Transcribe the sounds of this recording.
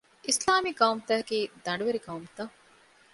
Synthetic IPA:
ʔislaːmiɡɐumt̪æːkiːd̪ɐɳɖuʋeɾiɡɐumt̪ɐ

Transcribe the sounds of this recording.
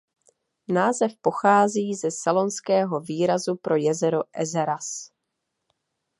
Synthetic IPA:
naːzɛfpo̞xaːziːzɛsalo̞nskɛːɦo̞viːɾazupɾo̞jɛzɛɾoʔɛzɛɾas

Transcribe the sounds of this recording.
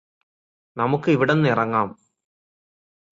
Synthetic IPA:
nɐmukːɯiʋɪɽɐnnɪrɐŋɡaːm

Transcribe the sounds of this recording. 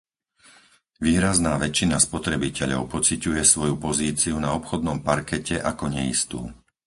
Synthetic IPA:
ʋiːɾaznaːʋɛt͡ʃːinaspɔt̪ɾɛbicɛʎɔ̰ʊpɔt͡sicujɛsʋɔjupɔziːt͡siunaɔpxɔd̪nɔmpaɾkɛcʰɛʔakɔɲɛḭst̪ṵː

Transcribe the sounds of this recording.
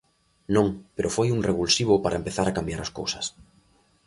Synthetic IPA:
nõŋpeɾʔofojuŋreβulsiβʊpaɾaempeθaɾakambjaɾaskowsɐ̥s

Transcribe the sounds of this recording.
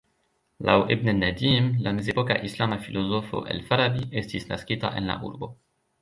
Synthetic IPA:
lʔawʔebnenad̪iːmlamezepoka̰ʔislamafilozofo̰ʔḛlfaɾabiʔest̪isna̰skʲit̪a̰ʔenla̰ʔṵɾbo

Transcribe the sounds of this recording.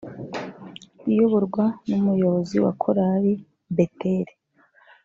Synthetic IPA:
ijoβoɾɡwanumujo̞βo̞ziwa̰kʰoɾaɾi | beteɾe

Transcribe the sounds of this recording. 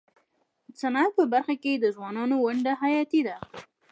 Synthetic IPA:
əsanad̪̚pəbaɾxaked̪əzwɑnɑnowaɳɖaɦajɑt̪id̪a

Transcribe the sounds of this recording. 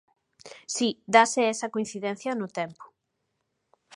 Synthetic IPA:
sid̪asɪɛsɐkoĩn̟θiðɛn̟θjɐnʊt̪ɛmpʊ̥

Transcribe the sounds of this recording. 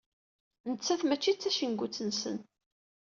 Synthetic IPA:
nət͡sːæθmæt͡ʃːit͡sːæʃənɡʷut͡sːənsə̰n

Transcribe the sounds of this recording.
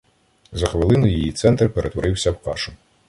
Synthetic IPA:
zɐxʋɪlˠɪnʊjijit̪sɛnt̪rpeɾʔet̪ʋɔɾʔɪwsʲɐwkɑ̰ʃʊ

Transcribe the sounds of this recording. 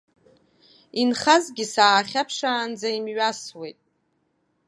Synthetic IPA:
inχazɡʲɪsaːχʲapʰʂaːnd͡zaimɥaswejtʼ

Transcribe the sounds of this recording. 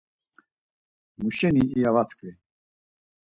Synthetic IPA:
muʃɛniːjavat̪ʰkʰʼvi

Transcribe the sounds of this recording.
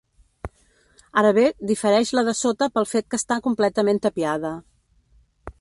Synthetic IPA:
aɾəβed̪ifəɾɛʃləðəsot̪əpəlˠfet̪̚kəst̪akumplɛt̪əment̪əpiaðə

